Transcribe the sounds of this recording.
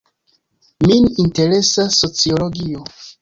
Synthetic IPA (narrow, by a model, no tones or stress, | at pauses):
mininteɾesasot͡sioloɡio